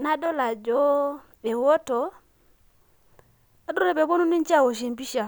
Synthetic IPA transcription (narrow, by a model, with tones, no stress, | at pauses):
na˦do˦la˨d͡ʒo˦ | be˨wo˦tɔ˨ | a˨du˦e˨be˨bo˦nu˦ni˦n˦t͡ʃa˦˨wo˨ʃ̬e˨mbi˦ʃa˨